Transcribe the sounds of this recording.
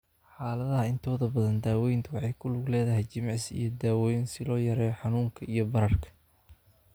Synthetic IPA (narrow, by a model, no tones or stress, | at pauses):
ħaːlɐðɐɦɐɪnt̪ʰɔːðɐbɐðɐnd̪aːwɛjnt̪ʰʊwɑħɑjkʰʊlʊɡlɛːðɐɦɛjt͡ʃɪmɑʕɪsḭjɞd̪aːwɛjnsɪlɔːjɐɾɛːħɑnuːŋkʰɐʔijɞbɐɾɐrkʰɐ̥